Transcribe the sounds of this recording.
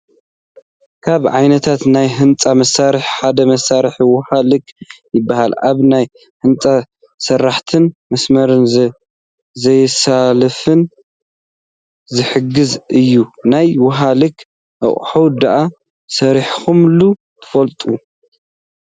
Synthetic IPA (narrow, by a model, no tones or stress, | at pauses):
kʰaβʕajnɐt̪ʰat̪najɦɨnt͡sʼamɐsaɾɨħħad̪ɐmɐsaɾħiwʊhalɨkjɪbːahalʔaβnaj | hɨnt͡sʼa | sɐrːaħt̪ʰɨnmɐsmɐɾɨn | zɐjsalɐfɨn | zɨħɨɡɨzɨjːunajwʊɦalɨk | ʔɐ̰χʼħowd̪aʔa | sɐɾiħxumlu | t̪ʰɨ̥fɐlt̪ʼu